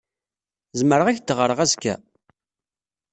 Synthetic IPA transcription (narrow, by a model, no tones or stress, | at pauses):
zməɾəʁæçd̪ʁəɾəʁæzkæ̰